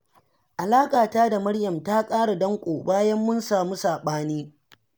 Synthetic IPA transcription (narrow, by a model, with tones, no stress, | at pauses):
ʔa˨laː˦kʼaː˨taː˦da˨mɐ˦ɽjɐ˨mtaː˦kʼaː˦ɽa˨dɐ˦ŋkʷʼoː˨baː˦jɐ˦mːʊ˦nsaː˨muː˦saː˨ɓaː˦niː˦